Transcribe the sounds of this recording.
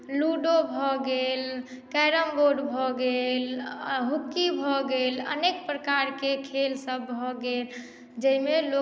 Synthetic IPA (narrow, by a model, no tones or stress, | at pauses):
luɖobʱɔɡel | kɛjɾəmɡoɖbʱɔɡelɦukːibʱɔɡelə̰nekpɾəkaɾkekʰelsəbːʱɔɡel | d͡ʒəimelo